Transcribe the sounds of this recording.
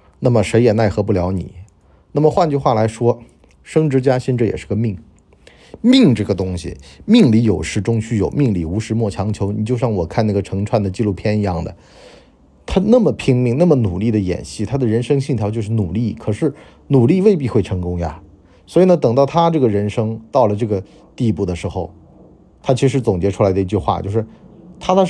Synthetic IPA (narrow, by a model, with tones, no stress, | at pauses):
na˥˩mə˩ʂe˧˥ɪjɛ˨˩na˥˩ɪxɤ˧˥p̬u˥˩ljɑ˧˥ʊnḭ˨˩˦ | na˥˩mə˩xwa˥˧nt͡ɕy˥˧xwa˥˩la˧˥ɪʂwɔ˥ | ʂɤ˥ŋʈ͡ʂɻ̩˧˥t͡ɕja˥ɕɛ˥˧nʈ͡ʂɤ˥˩jɛ̰˨˩ʂɻ̩˥˩ɡə˧mi˥˩ŋ | mi˥˧ŋʈ͡ʂɤ˥˩ɡə˩t̪ʊ˥ŋɕḭ˨mi˥˧ŋli˧˥jo˨˩ʊʂɻ̩˥˩ʈ͡ʂʊ˥ŋt͡ɕʰy˥jo˨˩ʊmi˥˧ŋli˥˩u˧˥ʂɻ̩˧˥mwɔ˥˩t͡ɕʰjɑ˧˥ŋt͡ɕʰjo˧˥ʊni˨˩t͡ɕjo˥˧ʊɕjɑ˥˩ŋwɔ˨˩kʰa˥˧na˥˩ɡə˩ʈ͡ʂʰɤ˧˥ŋʈ͡ʂʰwa˥˩nd̪ə˩t͡ɕi˥˧lu˥˩pʰjɛ˥ni˧˥jɑ˥˩ŋd̪ə̰˩ | t̪ʰa˥na˥˩mə˩pʰi˧˥ŋmi˧ŋna˥˩mə˨nu˨˩li˥˩d̪ə˩jɛ̰˨˩nɕi˥˩t̪ʰa˥d̪ə˨ɻə˧˥nʂɤ˥ŋɕi˥˩t̪ʰjɑ˧˥ʊt͡ɕjʊʂɻ̩˥˩nu˨˩li˥˩kʰɤ˨˩ʂɻ̩˥˩ | nu˨˩li˥˧we˥˧ɪp̬i˥˧xwe˥˩ɪʈ͡ʂʰɤ˧˥ŋkʊ˥ŋja̰˧˩ | swɔ˧˥i˨˩nə˧t̪ɤ˨˩ŋt̪ɑ˥˩ʊt̪ʰa˥ʈ͡ʂɤ˥˩ɡə˩ɻə˧˥nʂɤ˥ŋt̪ɑ˥˩ʊlə˩ʈ͡ʂɤ˥˩ɡə˩ | t̪i˥˧pu˥˩d̪ə˩ʂɻ̩˧˥xo˥˧ʊ | t̪ʰa˥t͡ɕʰi˧˥ʂɻ̩˧˥t͡sʊ˨˩ŋt͡ɕjɛ˧˥ʈ͡ʂʰu˥la˧˥ɪd̪ə˧i˧t͡ɕy˥˧xwa̰˥˧t͡ɕjo˥˧ʊʂɻ̩˥˩t̪ʰa˥t̪a˥